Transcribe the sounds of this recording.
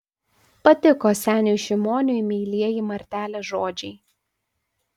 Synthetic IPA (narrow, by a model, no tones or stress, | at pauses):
pɐt̪ʲɪkoːsʲæːnʲuˑʃʲɪmoːnʲʊjmʲiːlʲiɛjiˑmɐɾʲt̪ʲæːlʲeːʒoːd͡ʒʲɛɪ